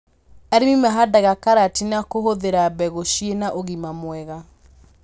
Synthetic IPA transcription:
aɾimimaɦadaɣakaɾatinakoɦoðeɾabɛɣoʃienaʔoɣimamwɛɣa

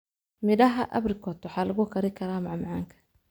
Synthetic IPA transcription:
mɪd̪ɐɦɐ̰ʔɐ̰brɪkʰɔt̪wɑħaːlɐɣʊkʰɐɾɪkʰɐɾaːmɑʕmɑʕaːŋkʰɐ̥

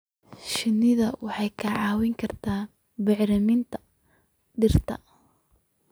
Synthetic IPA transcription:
ʃɪnɪðɐwɑħɑjkʰɐʕɑːwɪŋkʰɐrt̪ʰaː | bɛʕɾɐmɪnt̪ʰɐ̥ | ɖɪrt̪ʰɐ̰

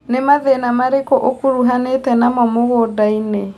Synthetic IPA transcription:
nemaðenamaɾekɔʔokuɾuɦanetɛnamɔmoɣɔdaine

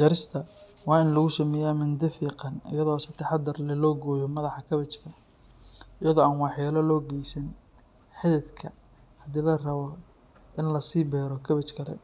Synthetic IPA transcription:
d͡ʒɐɾɪst̪ʰɐ | wɑːɪnlɐɣʊsɐmɛːjaːmʊnd̪ɪfiːqɑnɪ̰jɐðɔːsɪt̪ʰɪħɑd̪ɐrlɛlɔːɡɔːjɔmɐðɑħɑkʰɐβɐt͡ʃkʰɐ | ɪjɐðɔːaːnwɑħjaːlɐlɔːɡɛjsɐn | ħɪðɛd̪kʰɐ | hɐd̪iːlɐrɐβɔ | ʔɪnlɐsiːbɛːɾɔkʰɐβɐt͡ʃkʰɐlɛ̰

